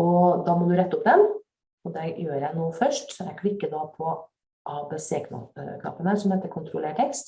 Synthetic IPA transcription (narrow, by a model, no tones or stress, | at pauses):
ɔd̪ɑːmɔd̪ʉɾɛt̪ːəʊpd̪ɛn | ɔd̪ɛjøːɾæɪnuːfœʂʈsɔɛkʰɽɪkːəd̪ɑpʰɔ | ʔɑbɛseːkʰnɑ̰kʰnɑ̰ːpːənəsɔmheːt̪əɾkʰʊnt̪ʰɾʊleːʈʰɛkst̪